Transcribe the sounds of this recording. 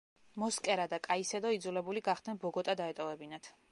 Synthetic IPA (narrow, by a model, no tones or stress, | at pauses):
mɔskʼɛɾad̪akʼaisɛd̪ɔid̪zulɛbuliɡaχd̪̥nɛnbɔɡɔt̪ʼad̪aɛt̪ʼɔvɛbinat̪ʰ